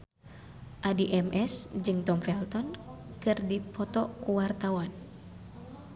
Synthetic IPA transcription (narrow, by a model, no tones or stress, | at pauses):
ʔadiʔɛmʔɛsd͡ʒɨŋt̪ɔmfɛlt̪ɔnkɨrdipɔt̪ɔkuwart̪awan